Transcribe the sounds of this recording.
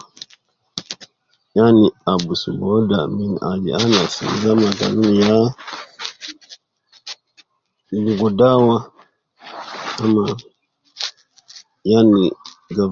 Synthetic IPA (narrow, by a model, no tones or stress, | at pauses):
janiabusubɔdamina̰d͡ʒḭanasḭzamaɡa̰lunija | luɡudawa | ma | jani | ɡa